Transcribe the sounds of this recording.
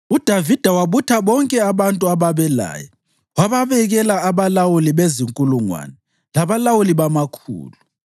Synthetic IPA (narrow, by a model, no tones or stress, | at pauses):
ud̥ʱavid̥ʱawaβutʰaβɔŋkʼɛaβantʼuaβaβɛla̰ːjɔ̰ | waβaβɛɣɛlaaβalawuliβeziŋkʼuluŋwa̰nɛ | laβalawuliβamakʰṵːlu